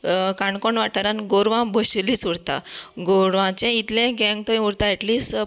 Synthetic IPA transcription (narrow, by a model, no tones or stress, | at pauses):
kaɳkoɳʋaʈaɾanɡoɾʋãbʱəɕlisuɽt̪a̰ɡoɾʋãt͡ɕẽit̪lẽɡɛ̃ŋɡ̚t̪əĩuɾt̪aɛʈliːs